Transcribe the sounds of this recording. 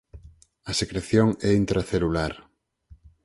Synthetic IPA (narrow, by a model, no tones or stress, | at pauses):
ɐsekɾeθjoŋɛint̪ɾaθelulaɾ